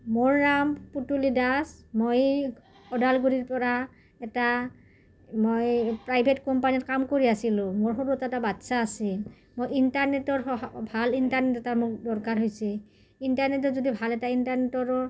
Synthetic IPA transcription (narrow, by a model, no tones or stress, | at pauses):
moɹnamputulidasmoj | ɔdalɡuɹiɹpɔɹa | ɛta | mojpɹajbʱetkɔmpaniɔtkamkoɹiasilʊ̃moɹxoɹutɛtabatsaːsi | mojintaɹnɛtɔɹɔbʱalintaɹnɛtɛtaɹmok̚dɔɹkaɹɦojsɛ | intaɹnetɔzodibʱalɛtaintaɹnɛtɔɹɔɹ